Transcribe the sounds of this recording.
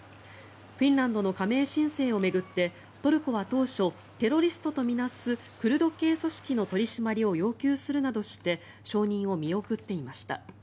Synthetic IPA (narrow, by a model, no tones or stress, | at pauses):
ɸʲĩnɾãnd̪o̞no̞kame̞ːɕĩɰ̃se̞ːo̞me̞ɡɯ̟t̪ːe̞ | t̪o̞ɾɯ̟koβat̪o̞ːɕo̞ | t̪e̞ɾo̞ɾʲisɨ̥t̪ot̪o̞mʲinasɨ | kɯ̟ɾɯ̟d̪o̞ke̞ːso̞ɕi̥kʲino̞t̪o̞ɾʲiɕimaɾʲio̞jo̞ːkʲɨːsɨɾɯ̟nad̪o̞ɕi̥t̪e̞ | ɕo̞ːɲ̟ĩɰ̃o̞mʲio̞kɯ̟t̪ːe̞imaɕi̥t̪a̰